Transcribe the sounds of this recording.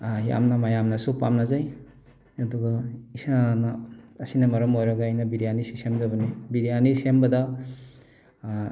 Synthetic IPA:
ja̰mnamajamnɐsupa̰mnazaj | ɐduɡaisanaːsinɐmɐɾɐmojɾɐɡaːjnɐbiɾijanisisemzabɐnibiɾianisembɐda

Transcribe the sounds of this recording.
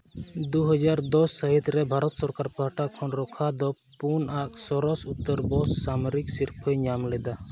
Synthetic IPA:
d̪uɦɔd͡ʒaɾd̪ɔsːəɦit̪ɾɛbʱaɾɔt̪sɔɾkaɾpaɦʈakʰɔnɾɔkʰad̪ɔ | punʔaʔsɔɾɔsut̪ːəɾbɔsːamɔɾiksiɾpʰəjɲamlɛd̪a

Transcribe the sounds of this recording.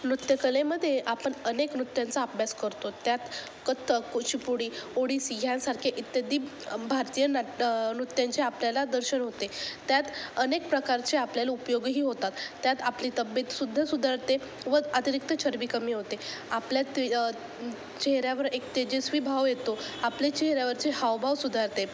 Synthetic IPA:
nɾut̪jəkəleməd̪ʱːjeʔapəɳəneknut̪jãnt͡saːpjaskəɾt̪ot̪jat̪ | kət̪ʰəkut͡ɕipuɽiːoɽiːsiɡʱjãnsaɾkʰeʔit̪jəd̪iː | bʱaɾt̪ijənanut̪ːjant͡ɕeapljalad̪əɾɕənɦot̪et̪jat̪ənek̚pɾəkaɾt͡ɕeapljalaupjoɡɦiːɦot̪at̪ːjat̪apliːt̪əbet̪sud̪ʱːasud̪ʱaɾt̪e | ʋəat̪iɾik̚t̪ət͡ɕʰəɾʋikəmiːɦot̪eapljat̪ | t͡ɕeɦɾjaʋəɾekt̪ed͡ʑesʋibʱaʋjet̪oaplet͡ɕeɦɾjaʋəɾt͡ɕehaʋbʱaʋsud̪ʱaɾt̪e

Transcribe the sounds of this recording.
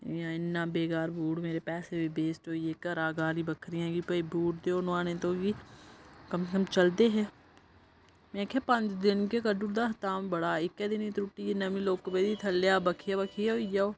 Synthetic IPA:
jãɪnːaːbeːɡaːɾbʱuːɽmeːɾepɛːsebibeːsʈoːijeːkəɾaːɡaːlibəkʰɾijãɡipɐibʱuːʈd̪eonʋãːnẽt̪oːɡi | kəmsekəmt͡ʃəld̪eɦɛː | mẽːkʰɛpɐ̃nt͡ʃd̪ɪnkekəɖuɾd̪aːɦt̪aːmbəɽaːɪkːɛd̪ɪnit̪ɾʊʈːinɐmĩloːkːəbeːd̪it̪ʰɐlːjaːbəkʰijabəkʰijaoijaoː

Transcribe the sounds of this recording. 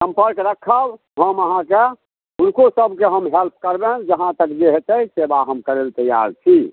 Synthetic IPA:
sə̃mpəɾkɾəkʰəb | ɦəməɦãke | unkosəbkeɦəmɦelp̚ʰkəɾbẽd͡ʒəɦãt̪əkd͡ʒeɦet̪əjsebaɦəmkəɾelt̪əja̰ɾt͡ʃʰi

